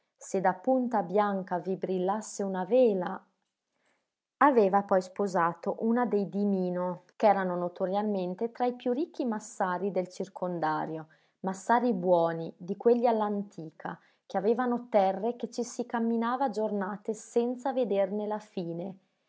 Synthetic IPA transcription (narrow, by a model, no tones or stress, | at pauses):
sed̪apunt̪abjaŋkavibɾilːasːeunavɛːla | aveːvapɔjspozaːt̪oʔunad̪ejd̪imiːnokɛːɾanonot̪oɾjalment̪et̪ɾaipjurikːimasːaːɾid̪elt͡ʃirkʰond̪aːɾjo | masːaːɾibwɔːnid̪ikweʎːialːant̪ʰiːkʰa̰ | k̟eaveːvanot̪ɛrːeket͡ʃːisikamːinaːvad͡ʒornaːt̪esɛnt̪saved̪ernelafiːne